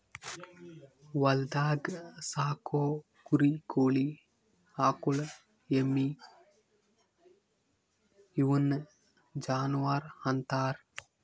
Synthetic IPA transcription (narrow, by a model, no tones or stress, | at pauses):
wɐld̪aːɡsaːko | kuɾikoːli | akul | jemːi | juwən | d͡ʒaːnuwaɾhɐnt̪aːɾ